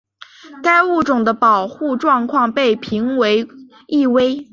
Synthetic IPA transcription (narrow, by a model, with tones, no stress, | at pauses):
ka˥ɪu˥˩ʈ͡ʂʊ˨˩ŋd̪ə˦pɑ˨˩ʊxu˥˧ʈ͡ʂwɑ˥˧ŋkʰwɑ˥˧ŋpe˥˩ɪpʰi˧˥ŋwe˧˥ɪ | i˥˩˧we˥ɪ